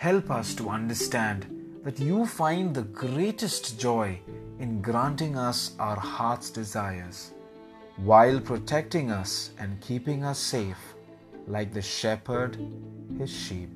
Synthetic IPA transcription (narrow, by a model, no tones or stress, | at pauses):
hɛlpʌstuʌ̃ndəstæ̃nd | ðætjuːfãɪ̃nðəɡɾeːʈɨstd͡ʒɔɪɪ̃nɡɾãnʈɪ̃ŋʌsʔaʊəɾhaɾtsd̥ɪzaɪəɾz̥ | waɪlpʰɾotʰɛk̚tɪ̃ŋʌsʔæ̃nkʰiːpɪ̃ŋʌsːeɪf | laɪk̚ðɨʃɛpə˞dhɪz̥ʃiːp̚